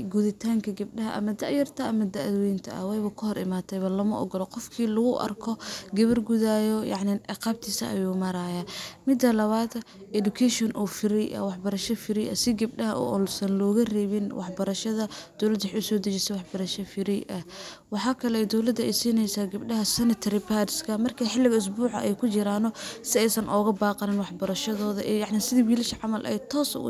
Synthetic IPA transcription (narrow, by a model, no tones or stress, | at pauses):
ɡuðɪt̪ʰaːŋkʰɐɡɐb̚ɗɐɦɐʔɐ̰mɐd̪ɐʕjɐrt̪ʰɐɐmɐd̪ɐʕðɔjɪnt̪ʰɐ̰ʔɐ̰wɛjβɐkʰʊɦɔɾɪ̰maːt̪ʰɛjβɐlɐmɐʔɔ̰ɡɔlɔqɔfkʰiːlʊɣʊʔɐ̰rkʰɔɡɐβɐrɡuðaːjɔjɑ̰ʕnɪnʕɑqɑːb̚t̪ʰiːsɐ̰ʔɐ̰juːmɐɾaːjaːmɪd̪ɐlɐβaːd̪ | ʔɛdukʰɛʃɔnʔɔfɪɾɛjʔɐ̰wɑħbɐɾɐʃɐfɪɾɪjɐsɪɡɐb̚ɗɐɦɐʔɔ̰ːsɐnlɔːɣɐrɛːβɪnwʔɑħbɐɾɐʃɐðɐd̪̥ɔwlɐd̪wɑħʊsɔːd̪ɐt͡ʃɪsɛwɑħbɐɾɐʃɐfɪɾɛjʔɐhwɑħɑːkʰɐlɛɛd̪ɔwlɐd̪ːɐɛjsiːnɛjsaːɡɐbɗɐɦɐsɛnɪt̪ʰɐɾɪbadskʰɐmɐrkʰɐħɪlːɪɣɐʊs̬buːʕɐ̰ʔɛjkʰʊt͡ʃɪɾaːnɔsɪɛjsɐnʔɔːɣɐbaːqɑnɪnwɑħbɐɾɐʃɐðɔːðɐʔɛjɑʕnɪsɪðiwiːlɪʃɐʕɑmɐlʔɐ̰ɛt̪ʰɔːsɐ̰